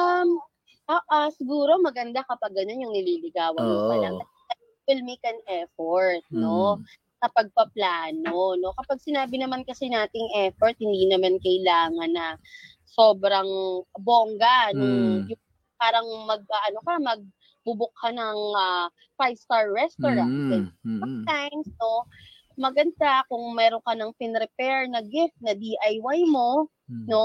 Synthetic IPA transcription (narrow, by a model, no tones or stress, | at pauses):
ʔɐm | ʔaʔɐsɪɡuːɾo̞mɐɡɐnd̪akɐpɐɡ̚ːɐno̞njʊŋnɪliːlɪɡaːwɐnmʊsɐlɐŋt̪ɐ | ɐ | wɛlmejkɐnɛfoɹt̪̚no̞ | sɐpɐɡ̚pɐplaːno̞no̞kɐpaɡ̚sɪnaːbɪnɐmankɐsɛnaːt̪ɪŋʔɛfoɹt̪̚hɪnd̪iːnɐmankɐʔɪlaːŋɐnːɐ | so̞ːbɾɐŋboːŋɡɐnʊŋjʊŋ | paːɾɐŋmɐɡ̚ɐʔɐnokɐmɐɡ̚ | bʊbʊk̚hɐnɐŋʔɐ | fajst̪aɹːɛst̪oɹansɛnsɐmt̪ajmsno̞ | mɐɡɐnd̪akʊŋmɛːɾonkɐnɐŋpɪnɾɛpɛɹnɐɡɪft̪̚nɐd̪iʔɐjwajmo̞ | no̞